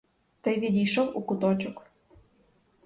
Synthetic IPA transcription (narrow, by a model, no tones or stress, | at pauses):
t̪əjβed̪iʃomukut̪ot͡ɕok